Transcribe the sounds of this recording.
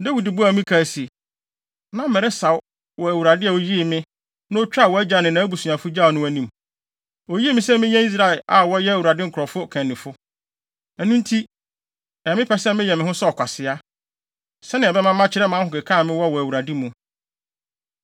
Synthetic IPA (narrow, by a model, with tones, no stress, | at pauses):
dæ˦wi˨di˨bu˦a˨mĩ˦kʰa˨si˨e˨ | nã˦mɛ˨ɾɛ˦sa˨w | wɔ˨æ˨wu˨ɾa˨dɪ˦a˨o˨ji˦e˨mɪ̃˦ | nʊ̃˦o˦t͡ɕᶣa˦˨wɔ˨˦æ˦d͡ʑa˨nɪ̃˨nã˨˦bu˨su˨a˨fʊ˦d͡ʑa˦˨nʊ̃˦æ˦nĩ˨m | o˨ji˦mɪ̃˦sɛ˦mɪ̃˦ɲɛ̃˦i˦s̬ɾa˦ɛ˨la˨wɔ˦jɛ˦æ˨wu˨ɾa˨dɪ˦ŋ̩˨kʰɾɔ˨fʊ˦kʰɛ̃˨nː˨ɪ̃˨fʊ˦ | æ˨nũ˦n̩˦tʰi˦ | ɛ˨mɪ̃˦pʰɛ˦sɛ̃˦mɪ̃˦jɛ˨mɪ̃˨hʊ̃˦sɔ˦ɔ˨kʷʰa˨sɪ˨a˦ | sɛ˦nɪ̃˨bɛ˦mã˦mːã˦t͡ɕʰɪ˦ɾɛ˦mã˨˦hʊ̃˨kɛ˨kʰã˦˨mɪ̃˦wɔ˦wɔ˨æ˨wu˨ɾa˨di˦mũ˨